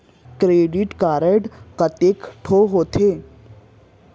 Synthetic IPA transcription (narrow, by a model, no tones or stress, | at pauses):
kɾeɖiʈkaɾeɖkət̪ekʈʰoɦoːt̪ʰe